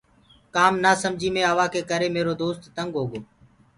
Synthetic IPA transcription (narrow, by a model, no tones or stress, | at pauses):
kaːmnaːsəmd͡ʒʱiːmẽːɦəʋaːkeːkəɾeːmeːɾoːd̪oːst̪ːəŋɡɦoːɡoː